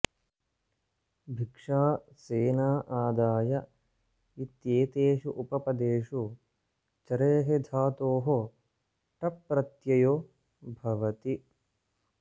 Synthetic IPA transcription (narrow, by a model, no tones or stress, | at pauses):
bʱikʂaːseːnaːʔaːd̪aːjɐ | it̪jeːt̪eːʃuʔupɐpɐd̪eːʂu | t͡ʃɐɾeːɦed̪ʱaːt̪oːɦo | ʈɐpːɾɐt̪jɐjoː | bʱɐʋɐt̪i